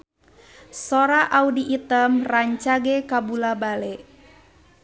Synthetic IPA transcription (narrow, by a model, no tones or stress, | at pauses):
sɔɾaʔaudiʔit̪əmraɲt͡ʃaɡɛkabulabalɛʔ